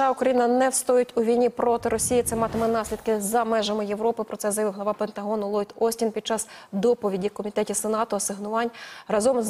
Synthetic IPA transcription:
ɑʊkɾɐjinɐnɛwst̪ɔjʊtʲʊʋʲijnʲipɾɔt̪ɪɾɔsʲijit̪sɛmɑt̪ɪmɛnɑsʲlʲid̪kɪzɐmɛʒɐmɪjeʋɾɔpɪpɾɔt̪sɛzɐjɐʋɪwɦlˠɐʋɑpent̪ɐɦɔnʊlˠɔjd̪ɔsʲtʲinpʲid̥̪̚t͡ʃɑzd̪ɔpɔʋʲidʲikɔmʲit̪ɛtʲisenɑt̪ʊɐsɪɦnʊʋɑnʲrɐzɔmz

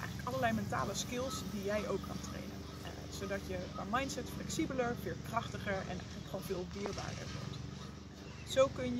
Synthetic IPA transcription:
ʔɛjχələləkɑlˠəɹlɛjmɛnta̰ːləskɪlˠsdijɛjʔowkʰːɑ̰ntrḛjnə̰n | z̥owdɑtjəvamɑjntsɛtflɛksibələɹv̥ɪːlˠkrɑχtəχəɹɛ̰nʔɛ̰jχənləkχonvɪːlˠʋɪːɹba̰ːdə̰ɹʋɔ̰ɹt | zowkɵnj

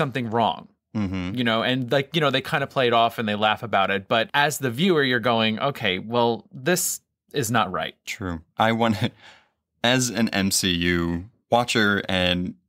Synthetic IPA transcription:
sʌ̃mθɪ̃ŋɹɔ̰̃ŋ | m̩m̥m̩jɨñoʊʔɨ̃nlaɪkjɨñoʊðeɪkʰãɪ̃ndəpʰl̥eɪɨɾɔfɨ̃nðeɪlæfəbaʊɾɨt̚b̥ʌɾɨzðɨvjʉə˞jə˞ɡoʊɪ̃ŋʔo̰ʊkʰeɪwɛlˠðɪs | ɪznət̚ɹa̰ɪt̚tʰɹ̥ʉʔaɪwɑ̃nɨ | ɨzɨ̃nɛ̰̃msijʉ | wɑt͡ʃə˞ɨ̃n

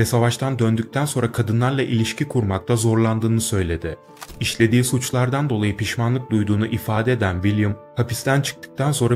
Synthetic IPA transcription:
vɛsavaʃt̪ʰand̪ønd̪yc̚t̪ʰænso̞nɾakʰad̪ɯnlˠaɾlˠaʔilʲiʃcikʰuɾmak̚t̪ʰazo̞ɾlˠand̪ɯːnɯsø̞jlʲe̞d̪ɪ | iʃlʲe̞d̪iːsut͡ʃlˠaɾd̪and̪o̞lˠajɯpʰiʃmanlˠɯk̚d̪ujd̪uːnuʔifaːd̪ɛed̪ænvilʲjumhʰapist̪ænt͡ʃʰɯ̥k̚t̪ʰɯ̥k̚t̪ʰanso̞nɾa

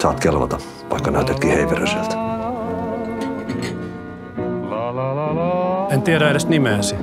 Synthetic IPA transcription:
sɑːt̪kelʋɑ̰t̪ɑ | t̪ɑ̰jkːɑnæyt̪et̪kiːhejʋeɾøselt̪ | ent̪ieɾæeɾest̪nimeːsi

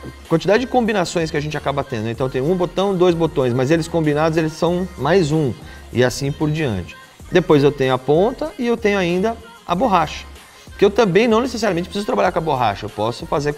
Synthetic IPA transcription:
kwɐ̃nt͡ʃɪd̪ad͡ʒɪd͡ʒɪkõmbinasõj̃s̬kɪɐʒẽnt͡ʃɪakabɐt̪ẽnd̪ʊẽt̪ɐ̃t̪ẽj̃ʊ̃ũbot̪ɐ̃w̃d̪ojzbot̪õj̃s̬mɐzelɪskõmbinad̪ʊzelɪsːɐ̃w̃majzũ | ɪ̰asĩpoɾd͡ʒiɐ̰̃nt͡ʃɪ̥ | d̪epojzewt̪ẽɲʊapõnt̪ɐɪewt̪ẽɲʊaĩnd̪ɐ | aboɦaʃɐ̥ | kɪewt̪ɐ̃mbẽj̃nɐ̃w̃neses̬aɾjamẽnt͡ʃɪpɾsizʊt̪ɾabaʎaɾkõɐboɦa̰ʃɐewpɔsʊfazeɾ

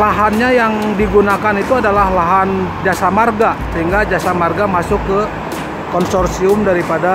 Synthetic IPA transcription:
laɦanɲajaŋdiɡunakanit̪uadalahlaɦand͡ʒasamarɡasəɦiŋɡad͡ʒasamarɡamasʊkːə | kɔnsɔrsiʊmdaɾipada

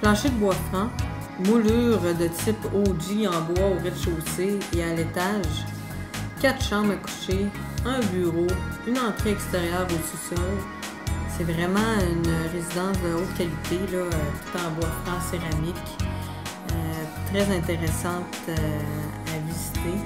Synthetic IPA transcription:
plɑ̃ʃed̪əbwafã | mulyːʁd̪ət̪sɪpoziɑ̃bwaoʁɛt̪ʃoːseealet̪aʒ | kʲat̪ʃɑ̃ːmaku̥ʃeœ̃byːʁoynɑ̃t̪χeɛkst̪eʁjœːʁosusɔl | sɛvʁɛmɑ̃ynəʁezid̪ɑ̃sd̪əot̪kʲalit̪ʰelɔøt̪u̥t̪ɑ̃bwaflãseʁamɪkʲ | øt̪ʁɛzɛ̃t̪eʁɛsɑ̃t̪ø | avizit̪e

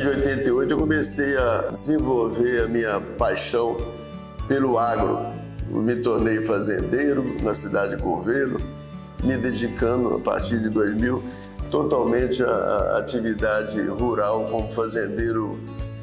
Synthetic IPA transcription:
d͡ʒɪojt̪ẽnt̪eojt̪ʊewkõmesejɐd͡ʒezẽvowveɾɐmĩɲɐpajʃɐ̃w̃ | pelʊaɡɾʊ̰ | mɪt̪oɾnejfazḛ̃nd̪ejɾʊnɐsid̪ad͡ʒɪko̰vejlʊ | mɪd̪ed͡ʒikɐ̃nd̪ʊa̰pa̰ɾt͡ʃiɾd͡ʒɪd̪ojzmiw | t̪ot̪awmẽt͡ʃɪɐ̰a̰t͡ʃivid̪ad͡ʒɪhuɾawkõmʊfazẽnd̪ejɾʊ

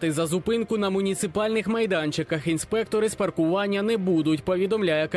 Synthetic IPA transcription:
t̪ɪzɐzʊpɪnkʊnɐmʊnʲit̪sɪpɑlʲnɪxmɐjd̪ant͡ʃɪkɐxinspɛkt̪ɔɾɨspɐrkʊʋanʲːɐnɛbud̪ʊtʲpɔʋʲid̪ɔmlʲajɛk

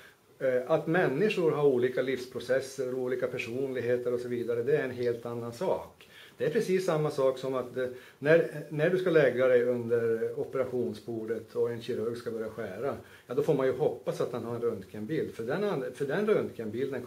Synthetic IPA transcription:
ʔat̪mɛnːɪʂʊɾɦaɾuːliːkalifspʰɾʊsɛsːəɾuːliːkapʰæʂuːnlɪɡɦeːt̪əɾɔsɔviːd̪aɾəd̪ɛæɾɛnɦeːlt̪anːansɑːk | d̪̥ɛæɾpʰɾɛsiːsːamːasɑːksɔmat̪d̪ɛ | nænæɖɵskalɛɡːad̪ɛjɵnd̪əɾɔpɛɾaɧuːnsbuːɖət̪ʰɔɛnɕɪɾɵɾɡskabœɾjaɧæːɾa | jɑːd̪ɔfoːɾmanjɵɦɔpːasat̪̚d̪ɛnɦaɾɛnɾɵnd̪kʰɛnbiːld̪fœɖɛnanfœɖɛnɾɵnd̪kʰənbɪld̪ən

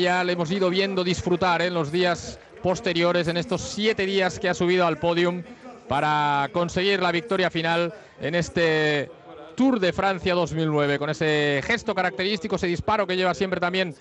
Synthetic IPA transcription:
jalemo̞s̬iðoβje̞nd̪oðisfɾut̪aɾenlo̞zðias | po̞st̪eɾjo̞ɾe̞se̞nest̪o̞sːjet̪e̞ðiaskeasuβ̞ið̞oalpo̞ðjumpaɾako̞nse̞ɣ̞iɾlaβik̚t̪o̞ɾjafinal | ene̞st̪e | t̪uɾðe̞fɾan̟θjaðo̞zmilnweβ̞eko̞ne̞sexe̞st̪okaɾak̚t̪eɾist̪ikoeseispaɾokeʝe̞β̞asje̞mpɾet̪ambje̞n

